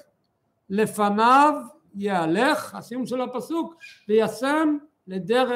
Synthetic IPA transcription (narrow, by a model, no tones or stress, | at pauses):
le̞fanav | jeale̞χha̰sijumʃe̞lhapasukvejase̞m | led̪eʁe